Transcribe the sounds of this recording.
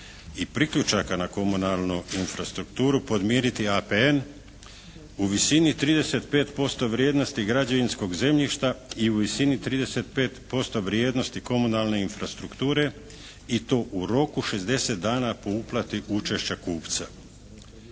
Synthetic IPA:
ipɾikʎut͡ʃakanako̞munalˠnuinfɾast̪ɾukt̪uːɾupo̞d̪mjeːɾit̪iapeen | uʋisinit̪ɾiːd̪e̞se̞t̪pe̞ːt̪po̞st̪o̞ʋɾjeːd̪nost̪iɡɾad͡ʑaʋinsko̞ɡze̞mʎiʃt̪aiuʋisinit̪ɾiːd̪e̞set̪̚pe̞ːt̪po̞st̪o̞ʋɾje̞ːd̪no̞st̪iko̞munalne̞infɾast̪ɾukt̪uːɾe̞ | it̪o̞ːʔuɾo̞kuʃe̞zd̪e̞set̪̚d̪aːnapo̞uplˠat̪iʔut͡ʃe̞ʃt͡ɕakuːpt̪sa

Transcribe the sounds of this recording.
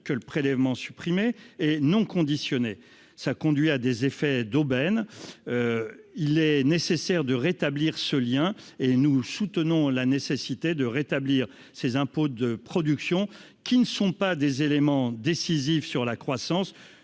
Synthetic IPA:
kələpχelɛvmɑ̃sypχimeɛnɔ̃kɔ̃d̪isjɔne | sakɔ̃d̪ɥiad̪ezefɛd̪obɛnøilɛnesesɛʁd̪əʁet̪abliʁsəljɛ̃enusut̪ənɔ̃lanesesit̪ed̪əʁet̪abliːʁ | sezɛ̃pod̪əpχɔd̪yksjɔ̃ | kʲinəsɔ̃pad̪ezelemɑ̃d̪esizifsyʁlakχwasɑ̃s

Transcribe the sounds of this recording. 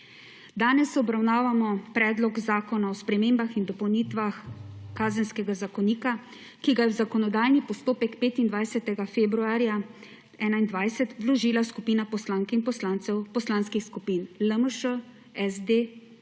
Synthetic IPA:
d̪aːnɛsɔbɾawnaːʋamɔpɾɛːd̪lɔɡzaːkɔnaɔspɾɛmeːmbaxind̪ɔpɔwniːt̪ʋaxkaːzənskɛɡazakɔniːka | kiɡajɛwzakɔnɔd̪aːjnipɔst̪oːpɛkpeːt̪ind̪ʋajsɛt̪ɛɡafeːbɾuaːɾja | ɛːnaind̪ʋajsɛt̪ʋlɔʒiːlaskupiːnapɔslaŋkɛinpɔslaːnt̪sɛwpɔslaːnskixskupiːnləməʃə | ɛzd̪e

